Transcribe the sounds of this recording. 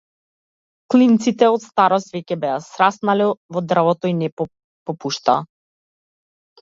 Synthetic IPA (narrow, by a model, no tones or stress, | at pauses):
klint̪sit̪ɛɔt̪st̪aɾɔst̪vɛcɛbɛasɾasnalɛvɔd̪r̩vɔt̪ɔinɛ | pɔpuʃt̪aː